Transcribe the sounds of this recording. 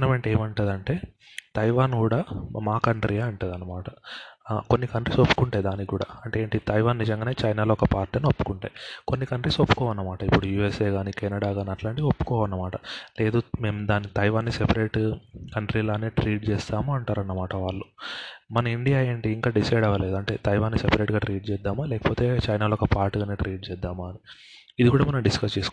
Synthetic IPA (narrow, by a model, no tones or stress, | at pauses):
nɐmeːɳʈeːmɐɳʈɐd̪ɐɳʈe̞ː | t̪ɐjʋaːnkuːɽaːmaːkɐɳʈɾijaːɐɳʈeːd̪ɐnːɐmaːʈɐ | ko̞nːikɐɳʈɾisopːu̥kuɳʈaːjd̪aːnikuːɽa̰ːɐɳʈe̞ːeːɳʈit̪ɐjʋaːnːid͡ʒɐŋɡaːne̞ːt͡ʃɐjnaːloːɔkɐpaːɾʈːinuopːu̥kuɳʈaːjikonːikɐɳʈɾiːsopːu̥kɔːʋɐnːɐmaːʈɐipːuɽujuːeseːɡaːnikɛnɐɽaːɡaːniɐʈlaːɳʈiiopːu̥kɔːʋɐnːɐmaːʈɐle̞ːd̪ume̞ːmd̪aːnːit̪ɐjʋaːnːisepɐɾeːʈkɐɳʈɾiːlaːneːʈɾiːʈ̚t͡ʃɛːst̪aːmuɐɳʈaːɾɐnːɐmaːʈɐʋaːɭːumɐnɐiɳɖijaːe̞ːɳʈiːŋkaːɖisɐjɖɐʋɐleːd̪uɐɳʈe̞ːt̪ɐjʋaːnːisepɐɾe̞ːʈɡaːʈɾiːʈ̚t͡ʃɛːd̪ːaːmaːlɛːkɐpoːt̪e̞ːt͡ʃɐjnaːloːɔkɐpaːɾʈɡaːneʈɾiːʈ̚t͡ʃɛːd̪ːaːmaːni | id̪ikuːɽaːmɐnɐmɖiskɐst͡ʃiːsu̥k